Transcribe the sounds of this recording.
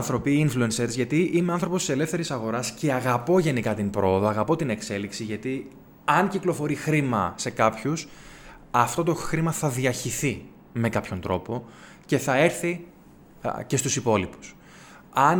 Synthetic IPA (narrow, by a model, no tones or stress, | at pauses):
θɾo̞piinfluenseɾzʝɐt̪iʔimeɐnθɾo̞post̪ise̞le̞fθe̞ɾisɐɣo̞ɾɐsce̞ɐɣɐpo̞ʝe̞nikɐt̪impɾo̞ːðo̞ɐɣɐpo̞t̪ine̞kse̞liksiʝɐt̪i | ɐnciklo̞fo̞ɾixɾimɐse̞kɐpçus | ɐft̪o̞t̪oxɾimɐθɐðiɐɾçiθi | me̞kɐpço̞nt̪ɾo̞po̞ | ce̞θɐe̞ɾθi | ce̞st̪usipo̞lipu̥s | ɐn